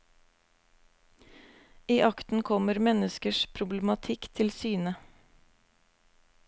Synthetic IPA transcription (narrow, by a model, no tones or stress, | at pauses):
iːʔɑkt̪n̩kʰɔməɾmɛnəskəʃpʰɾʊbləmɑt̪ʰɪkt̪ʰɪlsyːnə